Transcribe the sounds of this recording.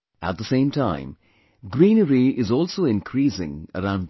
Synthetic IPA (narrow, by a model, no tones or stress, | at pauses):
æ̰t̚d̪əsẽɪ̃mtʰãɪ̃m | ɡɾĩːnəɾiʔɪzɔːlˠsoːɪ̃nkʰɾiːsɪ̰̃ŋə̰ɾãʊ̃nd